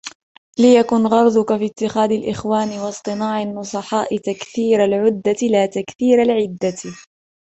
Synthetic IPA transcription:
lɪjakʊnɣɑɾˤd̪ʊkafiːt̪ːɪxaːd̪alʔɪxwaːnɪwɑsˤt̪ˤɨnɑːʕanːʊsˤɑħɑːʔɪt̪akθiːɾalʕʊd̪ːalaːt̪akθiːɾalʕɪd̪ːa

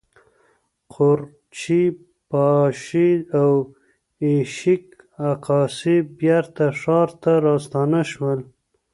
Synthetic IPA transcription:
qʊɾ | t͡ʃi | pɑʃiaw | eʃɪk | aqɑsibjaɾt̪aʂɑɾt̪aɾɑst̪ɑnaʃwəl

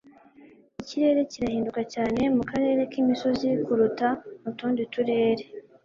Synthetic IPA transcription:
iciɾe̞ːɾe̞ciɾahiːndukacaːne̞mukaɾe̞ɾe̞kimiso̞zikuɾutamutuːndituɾe̞ːɾe̞

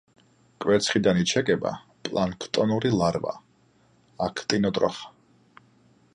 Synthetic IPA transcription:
kʼwɛt̪sʰχid̪anit͡ʃʰɛkʼɛba̰ | pʼlˠaŋkʰt̪ʼɔnuɾilˠaɾva̰ | akʰt̪ʼinɔt̪ʼɾɔ̰χḁ

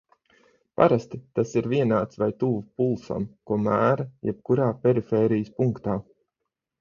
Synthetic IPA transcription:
pa̰ɾast̪it̪asiɾviɛnaːt̪svajt̪uvupulˠsa̰mkuɔmæːɾajɛp̚kuɾaːpʲɛɾifɛːɾijəspuŋkt̪aː

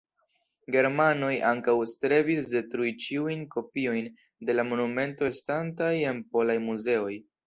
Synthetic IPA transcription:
ɡe̞ɾmano̞jʔaŋkawstɾe̞visde̞tɾuit͡ʃiujnko̞pio̞jn | de̞lamo̞nume̞nto̞estantaje̞npo̞lajmuze̞o̞j

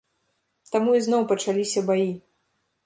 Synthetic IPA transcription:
t̪amuiznɔwpɐt͡ʂalʲisʲɐbaji

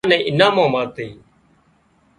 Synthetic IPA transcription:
nɛ̃ːʔɪnãːmãːmaːt̪eː

